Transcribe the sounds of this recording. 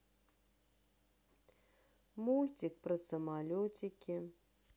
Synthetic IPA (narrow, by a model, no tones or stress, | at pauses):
mulʲtʲik̚prɨsəmalʲotʲikʲi